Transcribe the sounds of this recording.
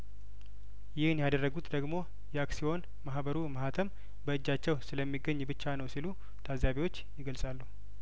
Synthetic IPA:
jɪhɨnjad̪ərːəɡut̪d̪əɡmo̞ | jɛaksio̞n | mahbəɾuməhat̪ʰəm | bəɨd͡ʒːat͡ʃːɛwsɨləmːiɡəɲːbɨt͡ʃːanəwsilu | t̪ʰazaβiwo̞t͡ʃːjɪɡəlsʼalːuh

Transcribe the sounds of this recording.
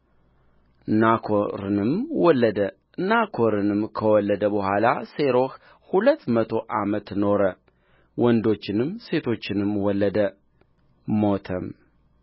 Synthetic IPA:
nakʰoɾɨnɨmwɔlːəd̪ə | nakʰo̞ɾɨnɨmkʰəwɔlːəd̪əbəhʷalase̞ɾo̞h | hulət̪ːmət̪ʰo̞ʔamət̪no̞ɾə | wɔnd̪o̞t͡ʃːɪnɨmse̞t̪ʰo̞t͡ʃːɪnɨmwɔlːəd̪ə | mo̞t̪ʰəm

